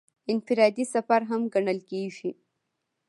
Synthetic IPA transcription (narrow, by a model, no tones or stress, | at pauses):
ɪnfɪɾɑd̪isafaɾɦamɡaɳəlkeʒi